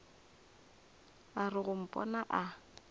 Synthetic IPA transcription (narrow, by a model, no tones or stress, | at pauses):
arɪɣʊm̩pʼɔ̰naʔa